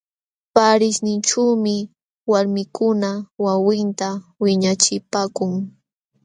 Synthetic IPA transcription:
paɾɪʃnɪnʈ͡ʂuːmɪ | waɾmɪkʊnawawɪnt̪awɪɲat͡ʃɪpaːkʊŋ

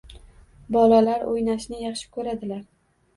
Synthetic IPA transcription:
bɒlalaɾʔo̰jnaʃnɪjɑχʃɪ̥kʰɵɾad̪ɪlaɾ

